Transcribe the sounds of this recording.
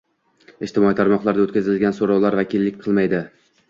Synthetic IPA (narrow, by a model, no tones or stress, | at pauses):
ɪʃt̪ɪmɒit̪ʰaɾmɒqlˠaɾd̪aot̪kʲazɪlɡʲansoɾɒwlaɾvakʲʰɪlːɪkʲqʰɨlˠmajd̪ɪ